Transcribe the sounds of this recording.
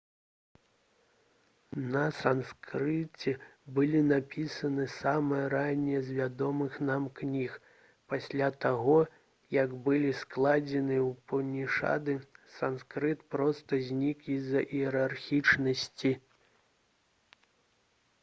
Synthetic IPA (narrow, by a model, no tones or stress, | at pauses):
nɐsanskɾɨt͡sʲɛbɨlʲinapʲisɐnɨsamɨjɐɾanʲɛjɛzʲvʲad̪ɔmɨxnamknʲix | pasʲlʲat̪aɣɔ | jɐɡbɨlʲisklˠad͡zʲɛnɨwpɐnʲiʂa̰d̪ɨsanskɾɨt̪pɾɔst̪ɐzʲnʲikizɐʔiɛɾarxʲit͡ʂnɐsʲt͡sʲi